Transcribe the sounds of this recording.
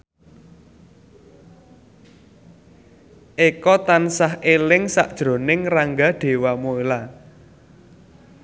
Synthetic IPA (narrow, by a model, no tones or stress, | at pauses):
ʔekɔt̪ansahelɪŋsa̰ʔd̥ʒ̥ɾo̤nɪŋraŋɡaɖ̪̥e̤wamoela